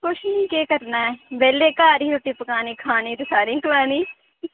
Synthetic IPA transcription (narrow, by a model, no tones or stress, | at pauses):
kʊʃnĩːkeːkəɾnaːɛːbɛːleːkaːɾĩːʊʈːiːpəkaːneːkʰaːnẽːt̪esaːɾĩːkəʋaːnĩː